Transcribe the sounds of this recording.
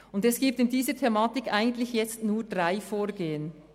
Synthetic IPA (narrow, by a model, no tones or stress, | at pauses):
ʊndɛsɡ̥iːp̚tɪndiːzətʰɛmaːtɪkʔaɪɡən̩tlɪçjɛt͡stnuːɹd̥ʁaɪfoːɾɡeːən